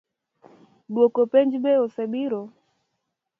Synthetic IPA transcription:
ɗuɔkɔpɛnd͡ʒiɓɛɔsɛɓiɾɔ

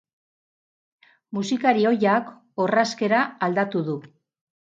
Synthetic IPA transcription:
musikaɾio̞jak | oraske̞ɾaːld̪at̪uðu

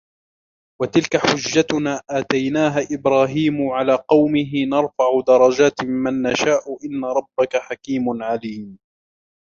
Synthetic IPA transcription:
wat̪ɪlkaħʊd͡ʒːat̪ʊnaːʔaːt̪ajnaːɦaʔɪbɾaːɦiːmʊʕalaːqɑwmɪɦɪnɑɾˤfaʕʊd̪ɑɾˤɑd͡ʒaːt̪ɪmːanːaʃaːʔʊʔɪnːaɾˤɑbːakaħakiːmʊnʕaliːm

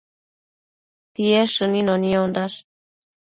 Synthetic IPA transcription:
t̪ieʃuninoniond̪aʃ

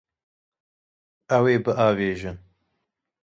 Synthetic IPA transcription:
ɐweːbɨʔaːveːʒɨn

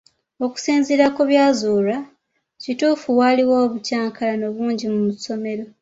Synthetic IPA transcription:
o̞ku̥siːnziɾakoβjaːzuːla | cituːfuwaliwo̞ːβucaːŋkʰalanoβuːɲɟimumuso̞me̞ɾo̞

